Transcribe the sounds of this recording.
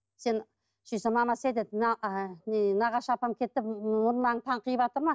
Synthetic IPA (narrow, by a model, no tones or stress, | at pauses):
se̞n | ʃijsemɑmɑsed̪et̪nnnɑʁɑʃɑpɑmkʲʰe̞t̪ːɪpmʊnmɑɴt̪ʰɑɴqʰəjəpɑt̪əɾmɑ